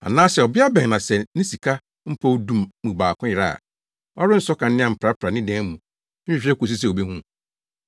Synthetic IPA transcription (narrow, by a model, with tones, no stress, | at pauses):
a̰˨nãː˦sɛ˨ɔ˨bɪ˦a˦bɛ̃˨ŋnã˨sɛ˨nɪ̃˦si˨kʰa˦ | m̩˦pʰo˦wdũ˦mːũ˨baː˨kʰʊ̃˦jɪ˨ɾa˦a̰˨ | ɔ˦ɾɪ˦n̩˦sɔ˦kʰã˨n˦nɪ̃˦ã˨m̩˨pʰɾa˦pʰɾa˨nɪ̃˦dɛ̃˦mũ˨ | m̩ᶣ˦i˦ɕᶣɾɛ˦ko˨s̬i˦s̬ɛ˦˨o˨be˦hũ˦